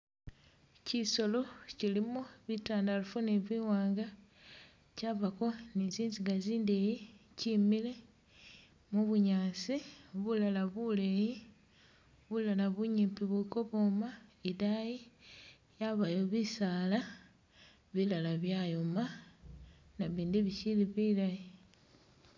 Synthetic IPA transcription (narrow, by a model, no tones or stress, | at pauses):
ciso̞lo̞cilimoβitaːndalufuniβiwaːŋɡa | caβako̞niziːnziɡaziːndejicimile̞ | muβuɲaːsiβulalaβuleji | βulalaβuɲiːmpiβiko̞βo̞maidaji | jaβajoβisaːla | βilalaβjajoma | naβiːndiβisiliβilaji